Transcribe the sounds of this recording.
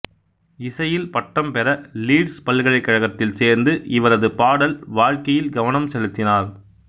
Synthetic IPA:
ɪsɐjɪlpɐʈːɐmpɛɾɐliːɖspɐlɣɐɭɐɪkːɐɻɐɣɐt̪ːɪlseːɾnd̪ɯʔɪʋɐɾɐðɯpaːɽɐlʋaːɻkɐjɪlɡɐʋɐnɐmsɛɻɯt̪ːɪnaːɾ

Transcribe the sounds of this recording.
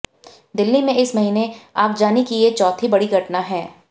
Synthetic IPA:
d̪ɪlːimẽɪsmɐɦiːneaːkd͡ʒaːnikijet͡ʃɔːt̪ʰibɐɽiɡʱɐʈnaɦɛː

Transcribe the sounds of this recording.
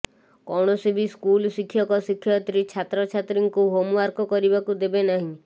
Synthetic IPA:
kɔɽ̃ɔsibʱiskulsikʰːjɔkɔsikʰːjɔt̪ɾit͡ʃʰat̪ɾɔt͡ʃʰat̪ɾiŋkuɦomuaɾkɔkɔɾibakud̪ebenaɦĩ

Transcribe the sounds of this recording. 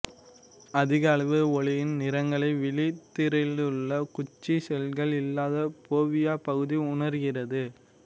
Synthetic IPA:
ɐðɪɣɐːɭʋɯɔɭɪjɪnnɪɾɐŋɡɐɭɐɪʋɪlɪt̪ːɪɾɐlɯɭːɐkʊt͡ʃːisɛlɣɐɭɪlːaːðɐpoːʋɪjaːpɐɣɯðiʊɳɐɾɣɪrɐðɯ

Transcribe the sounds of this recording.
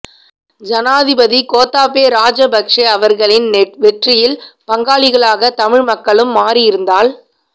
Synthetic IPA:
d͡ʒɐnaːðɪbɐðikoːt̪ːaːpeːɾaːd͡ʒɐbɐkʂɐɐʋɐɾɣɐɭɪnʋɛʈrɪjɪlpɐŋɡaːɭɪɣɐɭaːɣɐt̪ɐmɪɻmɐkːɐɭɯmːaːɾɪjɪɾɯnd̪aːl

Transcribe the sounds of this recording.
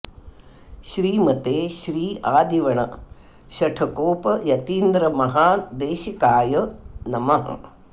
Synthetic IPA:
ʃɾiːmɐt̪eːʃɾiːaːd̪iʋɐɳɐ | ʃɐʈʰɐkoːpɐjɐt̪iːnd̪ɾɐmɐɦaːd̪eːʃikaːjɐnɐmɐɦɐ̰

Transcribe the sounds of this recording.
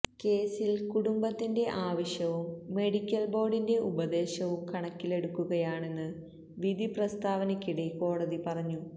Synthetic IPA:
ke̞ːsilkuɽumbɐt̪ːinde̞ʔaːʋɐɕjɐʋumːe̞ɽikʲːɐlbo̞ːɖinde̞ʔubɐd̪e̞ːɕɐʋumkʰɐɳɐkːile̞ɽukːuɣɐjaːɳe̞nːɨ | ʋid̪ʱiprɐst̪ʰaːʋɐnɐkʲːiɽeko̞ːɽɐðipɐrɐɲːu

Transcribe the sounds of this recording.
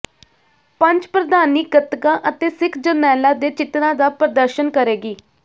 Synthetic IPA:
pə̃ɲt͡ʃpɾəd̪aːniːɡət̪kãːʔət̪eːsɪkʰd͡ʒənɛːlaːd̪eːt͡ʃɪt̪nãːd̪aːpəɾəd̪əɾʃənkəɾeːɡiː

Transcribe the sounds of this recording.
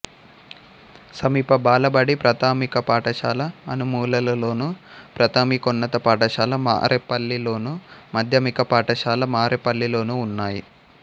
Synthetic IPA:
sɐmiːpɐbaːlɐbɐɽipɾɐt̪aːmikɐpaːʈɐʃaːlɐːnumuːlɐlɐlo̞ːnupɾɐt̪aːmikonːɐt̪ɐpaːʈɐʂaːlɐma̰ːɾʔepɐlːilo̞ːnumɐd̪ʱjɐmikɐpaːʈɐʃaːlɐmaːɾepɐlːilo̞ːnuːnːaːji

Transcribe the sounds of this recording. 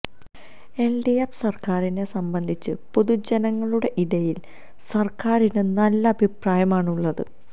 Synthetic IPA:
e̞lɖijɐpsɐrkaːɾine̞sɐmbɐnd̪ʱit͡ɕːɨpoðud͡ʑɐnɐŋːɐɭuɽe̞ʔiðɐjil | sɐrkaːɾinɨnɐlːɐɐbʱipraːjɐmaːɳuɭːɐðɨ̰

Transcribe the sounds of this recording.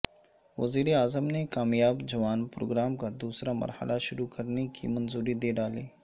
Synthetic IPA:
ʋɐziːɾeaːzəmnekaːmjaːbd͡ʒɐʋaːnpɾo̰ːɡɾaːmkad̪uːsɾamɐ̰ɾhə̰lʔaʃʊɾukɐɾnekḭmɐnzuːɾid̪eːɖaːliː

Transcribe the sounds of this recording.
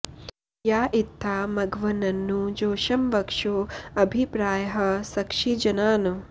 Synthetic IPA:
jaːʔit̪ʰːaːmɐɡʋɐnɐnːud͡ʒoːʃɐmʋɐkʂoːɐbʱipɾaːjɐɦɐ̆sɐkʂid͡ʒɐnaːnu

